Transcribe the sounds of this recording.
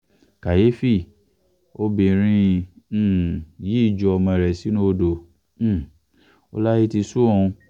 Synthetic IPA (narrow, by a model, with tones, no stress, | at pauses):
ka˨je˨˦fi˦˨ | o˦bi˧˨ɾ̃ĩ˦˧˦ | ji˨˦i˦˨d͡ʒu˨˧ɔ˧mɔ̃˧ɛ˨ɾɛ˨si˨˦nũ˦o˧dõ˨˦˨ | o˦la˦ji˦ti˧su˦ũ˧